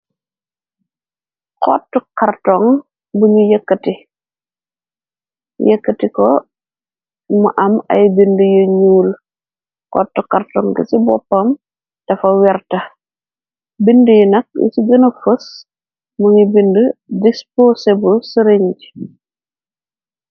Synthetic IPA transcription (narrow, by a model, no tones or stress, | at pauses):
qɔ̰tːukartɔŋ | buɲujɛkːɐti | jɛkːɐtikɔ | muʔɐmɐ̰jbindəjuɲuːl | qɔ̰tːukartɔŋɡɐ̰sibɔpːɐm | d̥ɐfɐwɛrtɐ | bindəjinɐk̚ḭsiɡɐnɐfəs | muŋibindədisposebulsəɾeɲd͡ʒi̥